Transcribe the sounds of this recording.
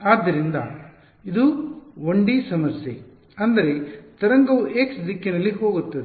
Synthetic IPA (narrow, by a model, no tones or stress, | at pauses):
aːd̪ːɐɾind̪ɐ̰ | id̪uʋoɳɖisɐmɐɾsjḛ | ɐnd̪ɐɾe̞t̪ɐɾɐŋɡɐʋeksd̪ikːinɐlːiɦo̞ːɡut̪ːɐd̪e